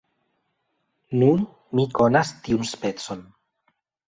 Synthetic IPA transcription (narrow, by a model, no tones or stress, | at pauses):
nun | mikonast̪iunspet͡son